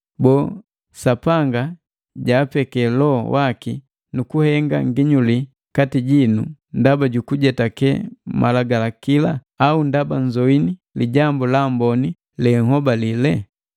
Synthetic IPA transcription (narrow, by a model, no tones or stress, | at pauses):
bɔː | sapaŋɡa | ɟaːpɛkɛlɔwʔaki | nukuhɛŋɡa̰ŋɡiɲuli | katiɟinundabaɟukuɟɛtakɛ̰mʔalaɡalakila | aundabaɲd͡ʒɔiniliɟambulambɔni | lɛŋhɔbalilɛ